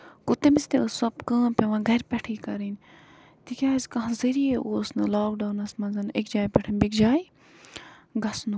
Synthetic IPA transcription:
kʊt̪emist̪eəssɐpkə̃ːpʲɐʋãːɡʱɐɾpʲɛʈʰiːkɐɾin | t̪ikʲjaːzʲkɐɦãzɐɾijeʔoːsnɨlaːk̚ɖaːwnɐsmɐ̃nzɐnekd͡ʒaːjpɛʈʰinbikd͡ʒaːj | ɡɐsnu

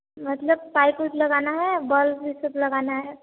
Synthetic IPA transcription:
mɐt̪ləb̚paːikuʈlɐɡaːnaɦɛbəlbʱisəblɐɡaːnaɦɛ

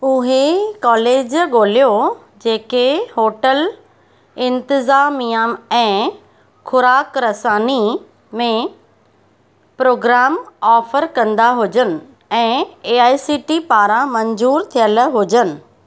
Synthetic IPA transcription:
ʊɦekɔːleːd͡ʑɠoːlijo | d͡ʑeːkeɦoːʈəl | ɪ̃nt̪ɪzaːmijaɛ̃ː | xʰʊɾaːkɾɐsaːni | mẽ | pɾoːɡɾaːmɔːfəɾkɐ̃nd̪aɦʊd͡ʑənɪ̆ | ɛ̃ːeːaːjisiːʈipaːɾãmɐɲzuːɾt̪ʰijəlɦʊd͡ʑənɪ̆

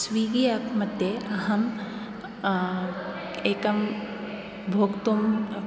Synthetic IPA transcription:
sʋiːɡijɐkʰmɐt̪eʔɐɦɐm | eːkɐm | bʱoːkt̪um

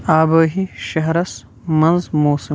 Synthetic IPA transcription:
aːbɐːɦiʃɐɦɾɐs | mɐnzmoːsi

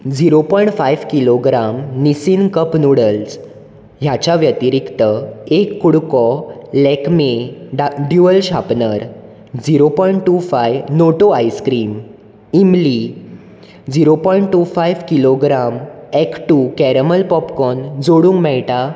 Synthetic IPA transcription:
d͡ziɾopɔjɳʈfajʋkiloɡɾamnisinkəpnuɽəls | ɦjat͡ɕaʋjət̪iɾikt̪əekːuɽkɔlɛkme | ɖjuʋəlɕapnəɾ | d͡ziɾopɔiɳʈʈːufajʋnoʈoajskɾiːm | imli | d͡ziɾopɔiɳʈʈːufajʋkiloɡɾamɛkʈukɛɾəməlpɔpkɔnd͡zoɽũŋɡmɛɭʈa

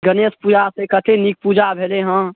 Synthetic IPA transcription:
ɡəneːspuːd͡ʒasekəʈ̪ʰenik̚puːd͡ʒabʱeːleɦə̃

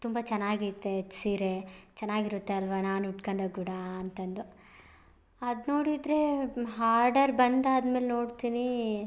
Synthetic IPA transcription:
t̪umbɐt͡ʃɛnːaːɡiɾt̪ːeet͡ʃːsiːɾet͡ʃɐnːaːɡiɾut̪ːeɐlʋɐnaːnuʈkɐnd̪ɐɡuɽaɐnt̪ɐnd̪u | ɐd̪noːɽid̪ɾe̞ɦaːɾɖɐɾbɐnd̪aːd̪meːlnoːɽt̪iːni

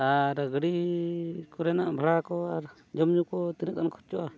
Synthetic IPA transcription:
aɾəɡɽi | kɔɾɛnaʔbʱaɽakɔaɾ | d͡ʒɔmd͡ʒukɔt̪inəkankʰɔ̥ɾt͡ʃɔʔa

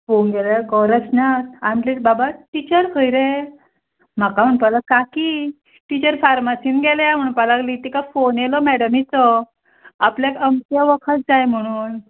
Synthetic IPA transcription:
fonɡeljaɡɔɾəsnat̪anilebabaʈit͡ɕəɾfəjɾe | m̤akam̤əɳ̃palakaki | ʈit͡ɕəɾfaɾmasinɡeljam̤əɽ̃unpalaɡlit̪ikafonjelɔmɛɽəmit͡sɔ | aplekəmt̪jaʋəkʰət̪̚d͡zajm̤əɽ̃uːn

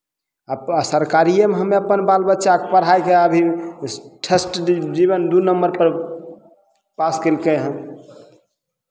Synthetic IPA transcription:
asəɾkaɾijəmeɦəmeəpənbalbətːʃakepəɽɦajkeəbʱi | ʈʰesʈd͡ʒiβənd̪unəmbəɾpəɾ | paskəlkeɦə̃

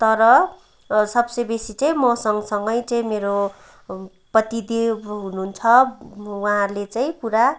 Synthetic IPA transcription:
t̪ʌɾʌ | sʌbsʌjbesit͡saĩmʌsʌŋsʌŋɡʌjt͡saĩmeɾo | pʌt̪id̪iɦununt͡sʰʌwaɦãɾlet͡saĩpuɾa

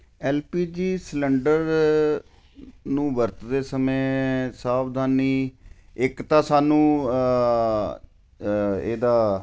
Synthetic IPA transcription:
ɛːlpiːd͡ʒiːsləɳɖəɾ | nũːʋəɾt̪d̪eːsəmẽːsaːbd̪ʱaːniːɪkt̪ãːsaːnũː | ḛːd̪aː

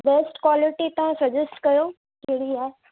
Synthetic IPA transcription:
beːsʈkwaːlɪʈit̪ɐʋ̤ãsɐd͡ʑəsʈkɐjo | keɽia

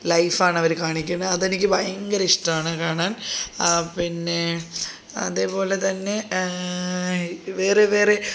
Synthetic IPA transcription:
lɐjfaːɳɐʋɐɾkaːɳikʲːunːɐɐðenikʲːɨbɐjɐŋɡɐɾiʂʈɐaːɳɨkaːɳaːn | pinːe̞ | ɐ̰ðeːpo̞ːle̞t̪ɐnːe̞ | ʋeːreʋe̞ːre

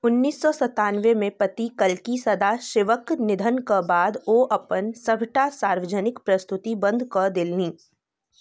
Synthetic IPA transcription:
ʊnːiːsːɔsɐt̪aːnʋemẽpɐt̪ikəlkisɐd̪aʃɪːʋəknɪd̪ʱənkabaːd̪oʔɐpənsɐbʱʈasaːɾʋəd͡ʒənɪkpɾɐst̪ʊt̪ibɐ̃nd̪ʱkɔd̪ɪlniː

